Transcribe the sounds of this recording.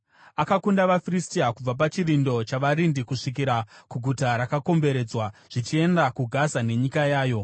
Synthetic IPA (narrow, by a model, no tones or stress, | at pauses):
akakundaʋafiristiakub͡vap̬at͡ʃirindo̞t͡ʃaʋaɾindikuʂikiɾakuɡʱutaɾakako̞mbe̞ɾe̞d͡zwaʐ̥it͡ʃie̞ndakuɡʱazane̞ɲikajaːjo̞